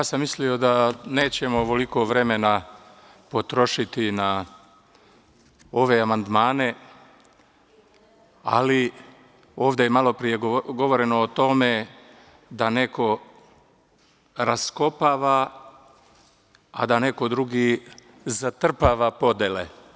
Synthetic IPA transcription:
jaːsamːislio̞d̪ane̞ːt͡ɕe̞moʋoliko̞ʋɾe̞me̞na | po̞t̪ɾo̞ʃit̪ina | o̞ʋe̞amand̪maːne̞ | a̰li | o̞ːʋd̪ejemalˠo̞pɾije̞ɡɡo̞ʋo̞ɾe̞no̞ːt̪o̞me̞ | d̪ane̞ko̞ | ɾasko̞paːʋa | a̰d̪ane̞ko̞d̪ɾuɡi | zat̪r̩paːʋapo̞d̪jele

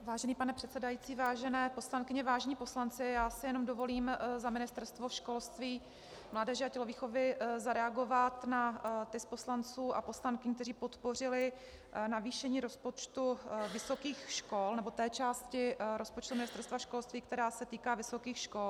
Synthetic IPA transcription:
vaːʒɛniːpanɛpr̥ɛt̪sɛdajiːt͡siːvaːʒɛnɛːpo̞slankɪɲɛvaːʒɛɲiːpo̞slant͡sɪjaːsɪjɛno̞mdo̞vo̞liːmzamɪnɪst̪ɛɾst̪vo̞ʃkolst̪viː | mlaːdɛʒɛacɛlo̞viːxo̞vɪzaɾɛaɡo̞vat̪nat̪ɪsposlant͡suːʔapo̞slaŋkɪɲk̚t̪ɛɾiːpo̞t̪po̞rɪlɪ | naviːʃɛɲiːɾo̞spot͡ʃt̪uvɪsokiːxʃko̞lnɛbo̞t̪ɛːt͡ʃaːscɪɾo̞spo̞t͡ʃt̪umɪnɪst̪ɛɾst̪vaʃko̞lst̪viːk̚t̪ɛɾaːsɛt̪iːkaːvɪso̞kiːxʃko̞l

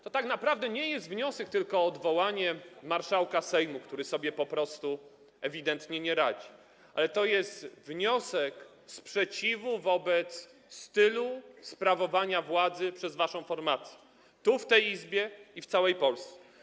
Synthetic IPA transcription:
t̪ɔt̪aknapɾavd̪ɛɲɛjɛst̪vɲɔsɛk̚t̪ɘlkɔːd̪vɔwaɲɛmaɾʂawkasɛjmukt̪uɾɘsɔbʲjɛpɔpɾɔst̪u | ɛvʲid̪ɛnt̪ɲɛɲɛɾad͡ʑi | a̰lɛt̪ɔjɛst̪vɲɔsɛk | spʂɛt͡ɕivuvɔbɛt̪sː | t̪ɘluspɾavɔvaɲavwad̪zɘpʂɛzvaʂɔ̃w̃fɔɾmat̪sʲjɛ | t̪uft̪ɛjizbʲjɛift̪sawɛjpɔlst̪sɛ̥

